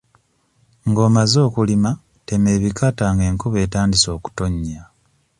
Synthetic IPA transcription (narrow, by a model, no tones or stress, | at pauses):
ŋɡo̞ːmazo̞ːkulima | te̞me̞ːβikʰataːŋɡe̞ːŋkuβe̞ːtaːndiso̞ːku̥to̞ɲːa